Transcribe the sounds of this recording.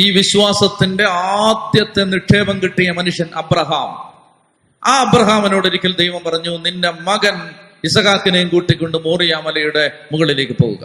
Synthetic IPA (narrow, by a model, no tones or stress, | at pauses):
iːʋiɕʋaːsɐt̪ːinde̞aːd̪jɐt̪ːe̞niʈʰːe̞ːbɐŋkiʈːijɐmɐnuʂjɐnɐbɾɐɦaːm | aːɐbɾɐɦaːmenoːɽiɾikʲːɐld̪ejʋɐmpɐrɐɲːuninde̞mɐɣɐn | isɐɣaːkːinɐjumkuːʈːikʲːo̞ɳɖɨmoːrijaːmɐlɐjuɽe̞muɣɐɭile̞ːkʲːɨpo̞̰ːɣṵɣɐ̰